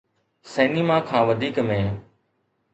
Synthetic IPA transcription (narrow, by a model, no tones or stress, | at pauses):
sɛːnimãːkʰãːʋəd̪ʱiːkmẽː